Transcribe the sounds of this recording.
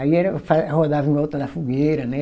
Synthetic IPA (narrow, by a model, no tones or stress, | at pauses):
aiɛɾɐfahod̪avẽɔt̪ɾɐd̪ɐfuɡeɾɐnɛ